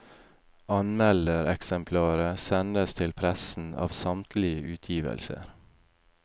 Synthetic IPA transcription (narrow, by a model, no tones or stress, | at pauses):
ɑnmɛləɾɛksɛmpʰlɑːɾəsɛnd̪əst̪ʰɪlpʰɾɛsn̩ɑ̰ːʋsɑmt̪ʰlɪəʔʉːt̪ʰjiːʋə̰lsə̰ɾ